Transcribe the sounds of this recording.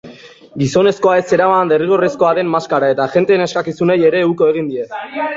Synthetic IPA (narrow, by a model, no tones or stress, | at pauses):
ɡiso̞ne̞sko̞ae̞se̞ɾaβand̪eriɣorisko̞aðe̞mːaskaɾae̞t̪aʝe̞nt̪e̞ːne̞skakisuneje̞ɾe̞ːuko̞e̞ɣ̞ind̪ie̞s